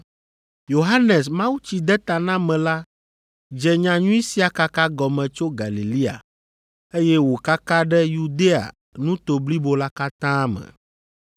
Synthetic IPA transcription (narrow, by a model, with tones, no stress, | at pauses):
jo˨ɦa˦nɛ˨smã˦wu˦t͡ɕi˨d̪ɛ˦t̪a˨nã˦mɛ̃˨la˦ | d͡ʒɛ˨ɲã˨ɲũ˦i˦si˨˦a˨ka˦ka˦ɡɔ˨mɛ̃˨t͡ʃo˦ɡa˨li˨li˦a̰˨ | e˦jɛ˦wo˨ka˦kã˦ɖɛ˦ju˨d̪e˦a̰˨ | nũ˦t̪o˨bli˦bo˦la˦ka˦t̪ã˦mɛ̰̃˨